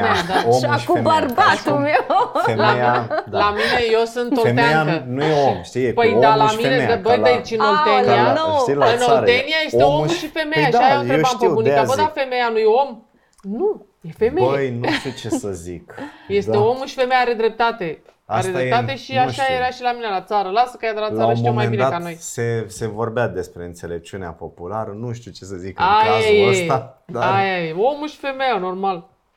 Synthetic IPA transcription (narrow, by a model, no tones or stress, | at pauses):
ad̪aakubərbat̪umewelamlaminejesɨnt̪oet̪eaənujeomʃt̪ipəjd̪alaminebəjd̪əit͡ʃinot̪eniaoɨnoeniaje̞seoouʃife̞mejaajew̪ɾeampunik̪avəd̪afe̞mejanujeo̞m | nu | jefe̞mejəjnuʃt̪ut͡ʃesəzikje̞sd̪eo̞muʃi̥fe̞mejaɾe̞d̪ɾe̞p̚t̪at̪e̞aasɾed̪epeat̪e̞ʃiaʃajeɾaʃilaminelat̪saɾəlasəkajad̪elat̪laəʃoimoiomajnind̪akano̞jsese̞vo̞rbead̪espɾe̞ɨnt̪se̞lep̚t͡ʃunea̰po̞pulaɾənuʃt̪iut͡ʃesəzikɨajaajəsad̪aajajeo̞muʃi̥fe̞mejano̞rmal